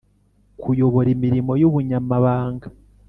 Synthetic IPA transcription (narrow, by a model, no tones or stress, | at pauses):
kʰujo̞βo̞ɾimiɾimo̞juβuɲamaβaːŋɡḁ